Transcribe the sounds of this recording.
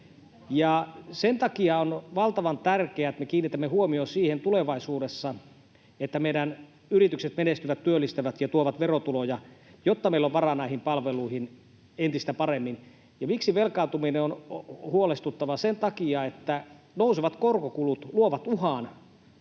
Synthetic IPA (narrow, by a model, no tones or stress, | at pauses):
jɑsent̪ɑkiɑonʋɑlt̪ɑʋɑnt̪ærkeæt̪mekiːnːit̪æmːehuomiosiːhent̪uleʋɑisuːdesːɑ | et̪ːæmeiɾæn | yrit̪ykset̪menest̪yʋæt̪tyølːist̪æʋæt̪jɑt̪uoʋɑt̪ʋerot̪ulojɑjot̪ːɑmeilːoʋʋɑrɑnɑihimpɑlʋeluihin | ent̪ist̪æpɑremːin | jɑmiksiʋelkɑˑut̪umineonhuolest̪ut̪ːɑʋɑsent̪ɑkiɑet̪ːæ | nouseʋɑt̪korkokulut̪luoʋɑt̪uhɑːn